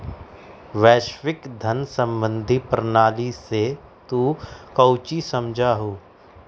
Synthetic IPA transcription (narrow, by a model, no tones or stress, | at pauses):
ʋɛːʃʋɪkd̪ʱənsə̃mbə̃nd̪ʱipɾənaːlise | t̪uːkəʊt͡ʃisɐmd͡ʒʱaːɦoː